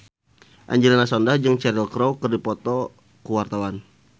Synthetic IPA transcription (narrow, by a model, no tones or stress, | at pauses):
ʔa̰ɲd͡ʒilanasɔndahd͡ʒɨŋt͡ʃɛɾilkɾowkərdipɔt̪ɔ | kuwart̪awan